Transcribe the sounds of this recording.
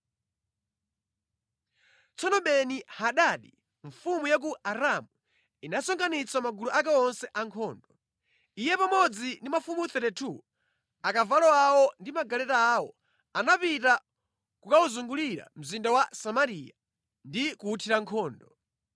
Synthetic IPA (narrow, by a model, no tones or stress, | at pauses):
t͡sɔnɔɓɛnihaɗaːɗi | ɱfumujak̬uaɾamu | inasɔŋkanit͡samaɡuluʔak̬ɛɔnsɛʔaŋkʰɔːndɔ | ijɛpamɔd͡zindimafumuθɛtɛtʰu | akavalɔawɔndimaɡalɛtaːwɔ̰ | anapita | kukauzuŋɡuliɾa̰m̩zindawasamaɾija | ndikuːtʰiɾaŋkʰɔːndɔ